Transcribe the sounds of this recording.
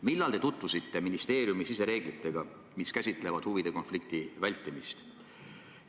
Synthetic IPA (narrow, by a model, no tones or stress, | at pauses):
milːɑlt̪e̞t̪ut̪vusit̪ːe̞minist̪e̞ːɾjumisise̞ɾe̞ːɡ̥lit̪ːˑe̞ɡ̥ɑ | miskæsʲit̪ˑle̞vɑd̪̥huvid̪̥e̞ko̞nflik̚t̪ivælʲt̪ːˑimist̪